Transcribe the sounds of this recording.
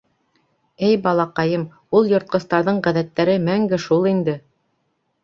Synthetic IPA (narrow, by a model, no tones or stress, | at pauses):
ɘjbɑlˠɑqɑjɤm | ulˠjŏɾt̪̚qɤ̆st̪ɑɾðɤɴʁæðæt̪ːæɾɘmæŋɡɘʃulˠind̪ɘ